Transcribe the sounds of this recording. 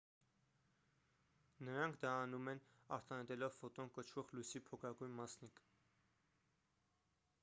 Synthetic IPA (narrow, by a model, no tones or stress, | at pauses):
nəɾɑŋkʰd̪ɑːnumɛnɑ̰ɾt̪ɑnɛt̪ɛlɔvfɔt̪ɔnkət͡ʃʰvɔʁlujsipʰɔkʰɑɡujnmɑsnik